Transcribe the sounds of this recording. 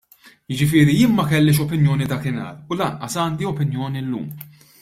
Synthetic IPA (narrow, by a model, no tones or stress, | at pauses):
jɪd͡ʒɪfɪːɾijɪːnmɐkɛlːɪʃ̬ɔpɪnjɔːnid̪ɐːkɪnɐ̰ːɾʊlɐnʔɐsɐːnd̪iɔpɪnjɔːnilːṵːm